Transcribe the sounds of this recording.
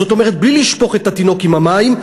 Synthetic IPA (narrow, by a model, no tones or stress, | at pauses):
o̞t̪o̞meʁ̞et̪̚bliliʃpo̞χe̞t̪at̪ino̞kimamaim